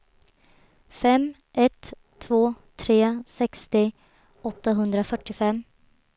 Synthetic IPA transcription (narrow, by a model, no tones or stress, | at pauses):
fɛm | ʔɛt̪ʰː | voː | t̪ʰɾeːsɛkst̪ɪ | ɔt̪ːaɦɵnd̪ɾafœʈːɪfɛmː